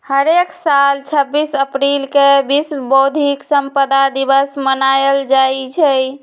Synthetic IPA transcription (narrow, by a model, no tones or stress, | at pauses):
həɾeksalt͡ʃʰəbːisəpɾilkebisbod̪ʱiksəmpəd̪ad̪iβəsmənajəld͡ʒajt͡ʃʰəj